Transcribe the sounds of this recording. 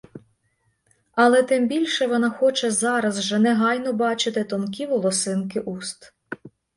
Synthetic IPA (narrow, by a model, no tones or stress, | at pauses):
ɐlˠɛt̪ɪmbʲilʲʃɛʋɔnɑxɔt͡ʃɛzɑɾɐzʒɛnɛɦɑjnɔbɑt͡ʃɪt̪ɪt̪ɔnk̬ʲiʋɔlˠɔsɪnkɪʔust̪